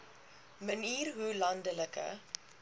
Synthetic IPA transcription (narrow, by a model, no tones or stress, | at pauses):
məniːrɦulɐndələkə̰